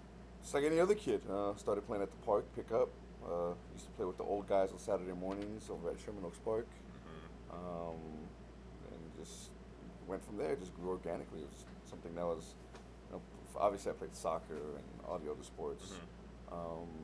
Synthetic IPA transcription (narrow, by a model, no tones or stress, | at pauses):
sʌkɛniʌðə˞kʰɪd̥ʌstɑɹɾɨd̚pʰeɪɪ̃ŋɨt̪̚ðəpʰɑɹk̚pʰɪkʌp̚ | ʌjʉstʰə̥pʰl̥eɪwəðḭʔo̰ʊlˠd̚ɡaɪzn̩sæɾə˞deɪmɔɹnɪ̃ŋzɹɛdʃəmən̩lʊkspʰoʊk | ʔʌ̃m | ɨ̰̃nd͡ʒʌst | wɛ̃ntfɹʌ̃mðə˞ɨd͡ʒʌs̬ɡ̥ɹʉɔɹɡænɨkliɨt̚wʌʌ̥ | sʌ̃mθɪ̃ŋnawʌz̥ | no̰ʊ | ɑ̰bviɨsliaɪpʰeɪd̥sɑkʰə˞ɨ̰̃nɑ̰ɾioʊɾəspɔɹts | ʔʌ̃m